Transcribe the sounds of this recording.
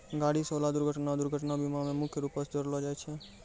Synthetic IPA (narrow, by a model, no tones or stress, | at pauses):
ɡaɽisolad̪uɾɡʱəʈnad̪uɾɡʱəʈnabimãmẽmʊkʰjəɾupəɾsd͡ʒəɾlod͡ʒajt͡ʃʰe